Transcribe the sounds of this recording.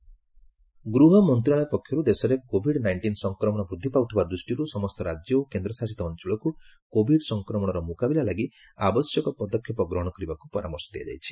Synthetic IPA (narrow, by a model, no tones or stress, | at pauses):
ɡɾuɦɔmɔnt̪ɾiaɭɔjpɔkʰːjɔɾud̪esɔɾekobʱiɽnajɳʈinsɔŋkɾɔmɔɽ̃ɔbɾud̪ʱːipawt̪ʰibad̪ɾusʈiɾusɔmɔst̪ɔɾad͡ʒjɔokend̪ɾɔsasit̪ɔːnt͡ʃɔɭɔkukobʱiɖsɔŋkɾɔmɔɽ̃ɔɾɔmukabilalaɡi | abɔsjɔkɔpɔd̪ɔkʰjɔpɔɡɾɔɦɔɽ̃ɔkɔɾibakupɔɾa̰mɔɾsɔ̥d̪ija̰d͡ʒa̰jt͡ʃʰi̥